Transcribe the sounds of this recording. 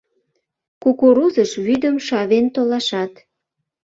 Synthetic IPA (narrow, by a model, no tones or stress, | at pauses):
kukuɾuzəʃβyd̪əmʃɑβent̪olɑʃɑt̪